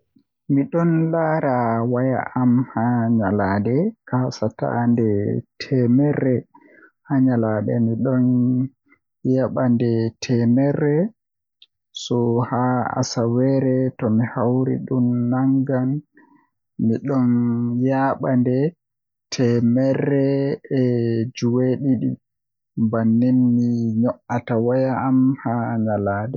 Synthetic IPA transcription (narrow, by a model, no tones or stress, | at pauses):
miɗɔnlaːɾawaja̰ʔamhaɲaladɛkahsata̰ndɛtʰɛmɛrːɛ | haɲaladɛ̰miɗɔn | jaɓandɛtʰɛmɛrːɛ | sɔhaa̰sawɛɾɛtɔmihawɾḭɗumːaŋɡan | miɗɔnjaɓandɛ | tʰɛmɛrːɛɛd͡ʒuweɗiɗḭ | banːinːiɲɔʔatawajaːmhaɲalaɗɛ